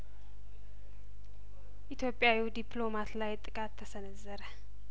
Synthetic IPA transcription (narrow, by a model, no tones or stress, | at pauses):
ʔit̪ʰjo̞pʼjawiwd̪iplo̞mat̪lajt̪ʼɨkʼat̪ʰːəsənəzːəɾə